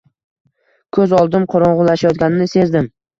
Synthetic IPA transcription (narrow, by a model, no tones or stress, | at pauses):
kʰɵzɒlˠd̪ɪmqʰoɾɒɴʁʊlaʃajɒt̪̚ɡʲanɪnɪse̞zd̪ɪm